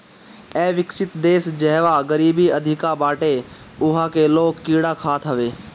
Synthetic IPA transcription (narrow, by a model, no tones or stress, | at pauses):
ɛːʋɪksɪt̪d̪eːsd͡ʒɛɦʋaɡəɾiːbiəd̪ʱɪkabaːʈe | ʊɦakeloːɡkiːɽakʰaːt̪ʰɦɐʋeː